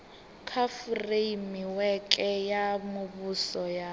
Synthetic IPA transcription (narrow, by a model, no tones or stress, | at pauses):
kʰafuremiwɛkʼɛjamʊβusɔja